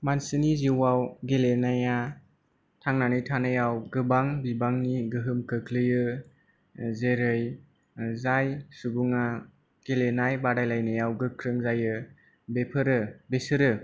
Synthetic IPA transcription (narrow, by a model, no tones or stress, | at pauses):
mansɯniziwawɡelenaja | tʰaŋnanɯjtʰanɯjawɡɯbaŋbibaŋniɡɯɦɯmkɯkʰlɯjɯ | zeɾɯj | zajsubuŋa | ɡ̥elenajbaɾajlajnɯjawɡɯkʰɾɯŋzajɯ | bepʰɯɾɯbesɯɾɯ